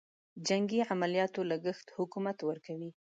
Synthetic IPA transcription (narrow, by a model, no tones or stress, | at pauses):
d͡ʒaŋɡiʕamalijɑt̪olaɡəxt̪hʊkumat̪wəɾkawi